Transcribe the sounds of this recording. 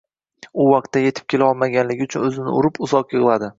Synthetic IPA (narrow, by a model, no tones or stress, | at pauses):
ʊwɑq̚t̪ːaje̞t̪ʰɪp̚kʰʲe̞laɒlˠmaɡʲanlɪɡʲɪʊt͡ʃʰʊnɵzɪnɪ̰ʊ̰ɾɪpʊzɒqjɨʁlˠad̪ɪ